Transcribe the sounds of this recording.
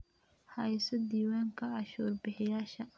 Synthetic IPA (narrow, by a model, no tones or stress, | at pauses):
hɐjsɔd̪iːwaːŋkʰɐɑʃuːrbɪħɪjaːʃɐ